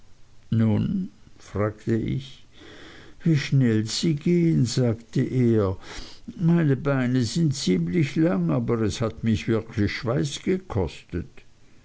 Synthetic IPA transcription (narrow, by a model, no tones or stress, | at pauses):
nuːnfʁ̥aːktəʔɪ̰ç | v̥iːʃnɛlz̥iːɡeːənzaːktəʔeːɐ | maɪnəbaɪnəzɪntt͡siːmlɪçlaŋaːbɐʁɛshatmɪçv̥ɪɐkʰlɪçʃv̥aɪsɡ̥əkʰɔstət